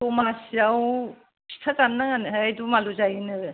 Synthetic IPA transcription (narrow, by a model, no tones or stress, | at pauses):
ɔmasiaw | sʰi̥tʰakamnaŋanɯɦaajdumaluzajɯnɯ